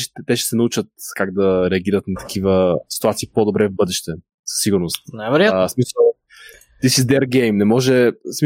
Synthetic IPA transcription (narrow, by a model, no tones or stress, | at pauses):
t̪t̪ɛʃɛ̥sɛnɐut͡ʃət̪kaɡ̚d̪ɐɾɛɐɡʲiɾət̪nɐt̪ɐ̥k̟ʰivəsi̥t̪uat̪siːpod̪obɾɛvbɤd̪ɛʃt̪ɛ | sə̥sːiɡʊɾnost̪najvɛɾojasmisəlˠ | t̪isizd̪ɛɾɡɛjmnɛmɔʒɛsmi